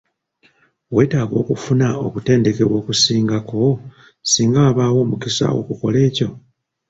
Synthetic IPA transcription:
we̞ːtaːɡo̞ːkufunao̞kute̞ːnde̞ke̞wo̞ːkusiːŋɡako̞ | siːŋɡaβaːwo̞ːmukisa̰o̞̰kuko̞le̞ːco̞

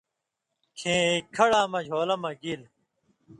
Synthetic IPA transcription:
kʰẽːkʰɐɽãːmɐd͡ʑʱoːlɐmɐɡil

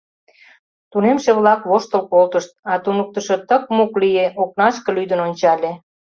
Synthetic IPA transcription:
t̪unemʃeβlɑkβoʃt̪ə̆lkolt̪əʃt̪̚ɑt̪unək̚t̪əʃot̪ək̚muklijeʔok̚nɑʃkɤ̆lyd̪ənonʲt͡ɕɑlʲe

